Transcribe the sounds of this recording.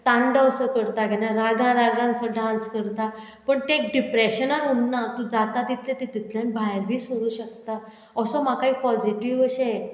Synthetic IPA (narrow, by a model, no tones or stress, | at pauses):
t̪ãɳɖəəsəkəɾt̪aɡʱɛnaɾaɡãɾaɡãnt͡səɖãnt͡skəɾt̪a | pəɳt̪ek̚ɖipɾeɕənaɾuɳːat̪ũd͡zat̪at̪it̪ʰlet̪it̪it̪ʰljãnbʱajɾbʱiːsoɾuːɕək̚t̪a | əsɔmakaiːpɔd͡ziʈiʋəɕe